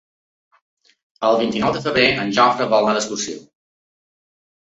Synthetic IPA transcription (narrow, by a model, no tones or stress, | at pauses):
əlˠβint̪inɔwd̪əfəβɾeʔənʲʒɔfɾəβɔlˠnaðəskursḭ